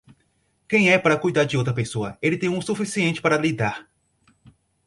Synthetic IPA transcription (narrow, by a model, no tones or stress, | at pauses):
kẽj̃ɛpaɾɐkujd̪aɾd͡ʒɪowt̪̬ɾɐpesoɐelɪt̪ẽj̃ũsufisiẽnt͡ʃɪ̥paɾɐlid̪aɾ